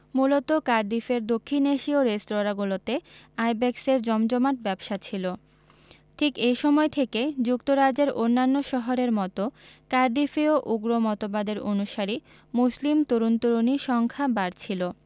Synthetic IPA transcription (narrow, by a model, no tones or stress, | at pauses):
mulot̪okaɾɖ̪ifeɾd̪okʰːineʃioɾesʈɾoɾaɡulot̪eajbɛkseɾd͡ʑɔmd͡ʑɔmaʈ̚bɛbʃat͡ɕʰilo | ʈʰikejʃɔmɔet̪ʰeked͡ʑukt̪oɾad͡ʑeɾonːanːoʃɔɦoɾeɾmɔt̪okaɾɖ̪ifeoʔuɡɾomɔt̪obad̪eɾonuʃaɾi | muslimt̪oɾunt̪uɾoniʃɔŋkʰabaɾt͡ɕʰilo